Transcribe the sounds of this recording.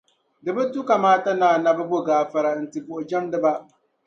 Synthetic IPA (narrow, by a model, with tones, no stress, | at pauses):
dɨ˨bɨ˦tu˦ka˨maː˦ta˦naː˨na˨bɨ˦bo˦ɡaː˨fa˨ɾa˨n̩˨tɨ˨bʊ˨ʔʊ˨d͡ʒɛ˦mdɨ˦ba˦